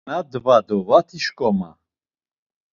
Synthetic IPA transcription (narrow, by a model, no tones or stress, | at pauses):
ad̪vad̪ɔvat̪ʰiʃkʼɔma̰